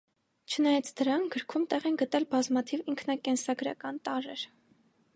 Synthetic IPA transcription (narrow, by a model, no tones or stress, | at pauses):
t͡ʃʰənɑjɑt͡sʰd̪əɾɑŋkʰɡ̥əɾkʰumt̪ɛʁɛnɡət̪ɛlbɑzmɑt̪ʰiviŋkʰn̪ɑkɛnsɑɡɾɑ̰kɑnt̪ɑɾɛɾ